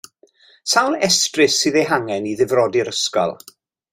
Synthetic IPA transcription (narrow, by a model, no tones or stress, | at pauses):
sawlɛstrɨsɨðɛɦaŋɛniðɪvrɔdɪɾəskɔ̰lˠ